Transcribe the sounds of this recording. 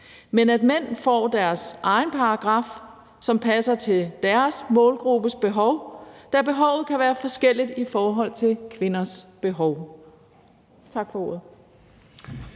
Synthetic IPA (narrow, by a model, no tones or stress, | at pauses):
menæd̥men̰fɒ̰ːd̥æɐsʔɑ̈ɪnpʰɑ̈ɑɡ̥ʁɑ̈ːf | sɒ̽mpʰæsɐt͡sʰe̝ld̥æɐsmɔ̽ːlɡ̥ʁub̥əsb̥e̝ɦɒ̽ʊd̥æɐb̥e̝ɦɒ̽ʊ̰ð̩ˠkʰæʋæːɐfɒ̽sɡ̥el̰id̥ifɒːɦɒ̽l̰t͡sʰe̝lkʰʋe̝nɐsb̥e̝ɦɒʊ | t͡sʰɑ̈ɡ̥fɒ̽o̝ːɐ̰ð̩ˠ